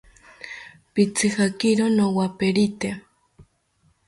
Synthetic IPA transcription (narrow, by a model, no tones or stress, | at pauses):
pit͡sʰixakiɾonowapeɾit̪e